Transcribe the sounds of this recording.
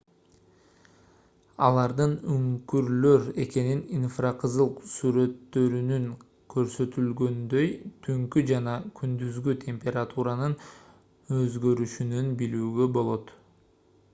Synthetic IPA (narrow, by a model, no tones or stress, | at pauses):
ɑlˠɑɾd̪ɯnyŋkyɾlø̞ɾe̞ke̞nininfraqʰɯzɯlˠqsyɾø̞t̪ːø̞ɾynyŋ | kʰø̞ɾsø̞t̪ylɡø̞nd̪ø̞jt̪ʰyŋkyd͡ʒɑnɑkʰynd̪yzɡyt̪ʲʰe̞mpʲe̞ɾat̪uɾanɯn | øzɡø̞ɾyʃynynbilyːɡø̞bo̞lˠo̞t̪